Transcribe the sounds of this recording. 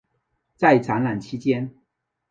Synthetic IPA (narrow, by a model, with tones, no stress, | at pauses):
t͡sa˥˩ɪt͡sa˧˥nla˨˩nt͡ɕʰi˥t͡ɕjɛ˥n